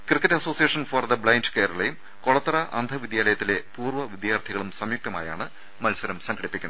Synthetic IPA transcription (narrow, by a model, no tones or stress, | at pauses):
krɨkːɐtːɐso̞ːsijeːʂɐnfɐrd̪ɐbɭɐjndkɐːɾɐɭɐejum | koɭɐt̪ːɐrɐʔɐ̰nd̪ʱɐʋid̪jaːlɐjɐt̪ːile̞puːrʋɐʋid̪jaːrt̪ʰiɣɐɭumsɐmjuk̚t̪ɐma̰ːja̰ːɳɨ | mɐlsɐɾɐmsɐŋɡʰɐɽipːikʲːunɐ